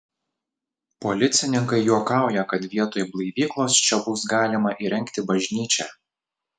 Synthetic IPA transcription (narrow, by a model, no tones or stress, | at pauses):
pɔlʲɪt̪sʲɪnʲɪŋkɐɪjuɔkɑˑʊjɛkɐt̪ʋʲiɛt̪oːjblˠɐɪʋʲiːklˠoːst͡ʃʲɛbʊsɡɑːlʲɪmɐʔiːɾʲɛŋʲkt̪ʲɪbɐʒʲnʲiːt͡ʃʲɛ